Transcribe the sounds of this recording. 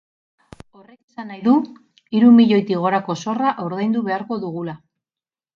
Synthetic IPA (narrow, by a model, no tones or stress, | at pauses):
o̞re̞kesanːajðu | iɾumiʎo̞jt̪iɣ̞o̞ɾako̞so̞raʔoɾðejnd̪uβe̞aɾko̞ðuɣ̞ula